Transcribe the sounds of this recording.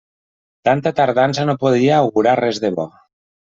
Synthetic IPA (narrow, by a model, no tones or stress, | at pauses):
t̪ant̪at̪aɾðansanopoð̞iaːwɣuɾarɛzðeβɔ